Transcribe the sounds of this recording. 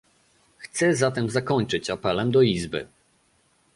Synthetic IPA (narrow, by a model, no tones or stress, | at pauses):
xt̪sɛzat̪ɛmzakɔɲt͡ʂɘt͡ɕapɛlɛmd̪ɔizbɘ̰